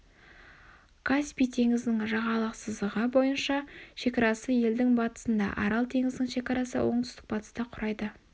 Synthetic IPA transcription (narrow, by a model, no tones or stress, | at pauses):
kʰaspijt̪ʰe̞ŋɪzd̪ɪŋʒɑʁɑlˠəqsəzəʁəbo̞jənʃɑʃe̞kɑɾɑsəje̞ld̪ɪŋbɑt̪ə̥sənd̪ɑ̰ʔɑ̰ɾɑlˠt̪ʰe̞ŋɪzd̪ɪŋʃe̞kɑɾɑsə̰wʔo̞ɴt̪ʰʏ̥st̪ɪ̥k̚bɑt̪ə̥st̪ɑqʰʊɾɑjd̪ə